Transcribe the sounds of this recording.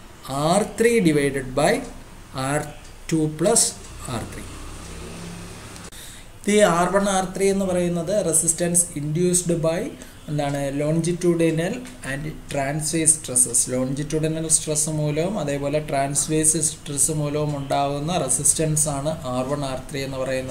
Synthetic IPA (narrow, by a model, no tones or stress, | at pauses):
aːrt̪riɖiʋɐjɖɨɖbɐj | aːr | ʈupɭɐs | aːrt̪ʰrḭ | t̪iaːrʋɐɳaːrt̪rie̞nːɨpɐrɐjunːɐðɨresistɐnsindjuːsɖɨbɐj | end̪aːɳɨlo̞ːɲd͡ʑitːuːɖɐnɐl | ɐnɖʈraːnsʋeːsʈresɨslo̞ːɲd͡ʑitːuːɽɐnɐlsʈresːɨmuːlɐʋumɐðe̞ːpo̞ːle̞ʈraːnsʋeːsɨsʈresːɨmuːlɐʋumuɳɖaːɣunːɐresistɐnsaːɳɨʔaːrʋɐɳaːrt̪rie̞nːupɐrɐjunːɐ